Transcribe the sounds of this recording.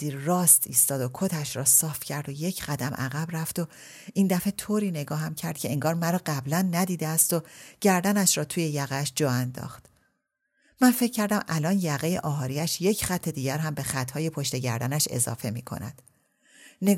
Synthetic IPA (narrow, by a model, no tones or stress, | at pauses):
iːrɒːst̪iːst̪ɒːd̪o̞kʰot̪ʰæʃɾɒːsɒːfcʰæɾd̪o̞je̞cʰɢæd̪æmʔæ̰ɣæbræft̪o̞ | ind̪æfe̞t̪ʰoːɾiːne̞ɡɒːɦæmcʰæɾd̪̚cʰe̞eŋɡɒːɾmæɾɒːɢæblænːæd̪iːd̪eæst̪o̞ɟ̥æɾd̪ænæʃɾɒːt̪ʰuːjejæɣæʃd͡ʒɒːænd̪ɒ̰ːxt̪ | mænfe̞cʰcːæɾd̪æmʔælɒːnjæɣejḛʔɒːɦɒːɾiæʃje̞cʰxæt̪ʰːe̞d̪iːɟæɾɦæmbe̞xæt̪ʰːhɒːje̞pʰo̞ʃt̪e̞ɟæ̰ɾd̪ænæʃe̞̰zɒ̰ːfe̞mḭːkʰo̞̰næ̰d̪̥ | ne